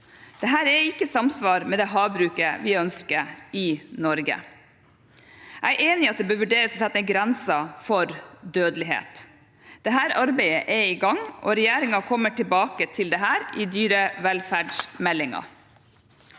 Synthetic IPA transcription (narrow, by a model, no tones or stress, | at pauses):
d̪̥ɛɦæːɾɛɪkːəsɑmsʋɑːɾmɛd̪ɛɦɑːbɾʉːkəʋɪœnskəɪnɔɾɡə̰ | ʔæɪʔeːnɪɑt̪̚d̪ɛbøːɾʋʉɖeːɾəsɔsʰɛt̪ːɛɡɾɛnsɑfɔɾd̪øːd̪lɪɦḛːt̪ | d̪̥ɛɦæːɾɑɾbæɪəʔɛɪɡɑŋːʔɔ̰ɾɛjeːɾɪŋɑkʰɔmːəʈʰɪlbɑːkət̪ʰɪld̪ɛɦæːɾɪd̪yːɾəʋɛlfæːɖʂmɛlːɪŋɑ̰